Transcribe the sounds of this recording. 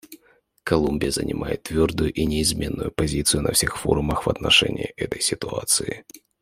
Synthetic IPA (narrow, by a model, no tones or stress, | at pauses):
kɐlˠumʲbʲɪjəzə̰nʲɪmʔajɪt̪ːvʲo̞rd̪ʊjʊʔinʲɪɪzmʲe̞nːʊjʊpɐzʲit̪sɨjʊnɐfsʲe̞xfo̞ɾʊməxvɐt̪nɐʂɛ̰nʲɪjɪʔɛt̪əjsʲɪt̪ʊat̪sɨɪ